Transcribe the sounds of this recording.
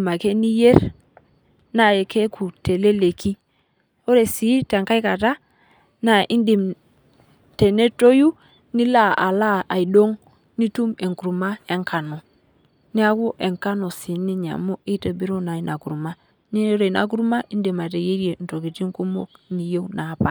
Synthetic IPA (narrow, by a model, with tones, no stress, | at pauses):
ma˨ke˦ni˦je˦ɾ | na˨e˨ke˦ku˨te˨le˦le˨ki˦ | o˦ɾe˨si˨˦te˨ŋka˦i˦ka˨ta˦ | na˨ʔi˦ndi˨m | te˨ne˦to˦ju˦ | ni˦la˦˨ʔa˨la˦a˨i˨do˦ŋ | ni˦tu˦me˨ŋku˨ɾu˨ma˦e˦ŋka˨no˨ | ni˦a˦ku˦ʔe˨ŋka˦no˨si˨ni˦ɲa̰˨mo˦ʔi˦tə˨bi˦ɾo˦na˨i˦nʔa˨ku˨ɾu˨ma˦ | ni˦ɾo˨i˨na̰˨k̬u˦ɾu˦ma˦ʔi˦ndi˨ma˨te˨je˦ɾi˦e˨n̩˨to˨ki˨ti˦ŋku˦mo̰˦kni˨je˦wna˨pa˨